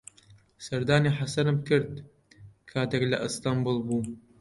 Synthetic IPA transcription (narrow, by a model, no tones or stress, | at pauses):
sɐɾd̪aːniːħasɐnɨmkʰɨɾd̪̚ | kʰaːd̪ɛklɐʔɨst̪ambulˠbuː